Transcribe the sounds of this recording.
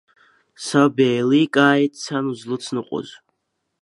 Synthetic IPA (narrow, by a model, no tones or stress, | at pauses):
sabeːlikʼaːitt͡sʰanuzlɨt͡sʰnɨqʷʼɔ̰z